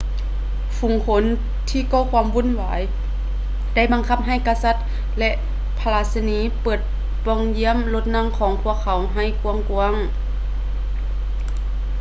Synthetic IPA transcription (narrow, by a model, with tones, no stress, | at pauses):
fu˨˦ŋkʰo˧˦n | t̪ʰiː˧˥˨kɔː˧˨kʰwaː˧˥˨mbu˧˥˨nwaː˨˦j | da˧˥˩jba˧˦ŋkʰa˧˥p̚ɦa˧˩˨jkaː˧˩sa˧˥t̪̚ | lɛ˧ʔ | pʰa˧laː˧sa˧niː˧˥pɤː˨˩t̪̚ | pɔ˧˩ŋji˧˥ə˨mlo˧˥t̪̚na˧˥˨ŋkʰɔː˨˦ŋpʰu˧˩əkʰːa˨˦wɦa˧˩jku˧əŋku˧əŋ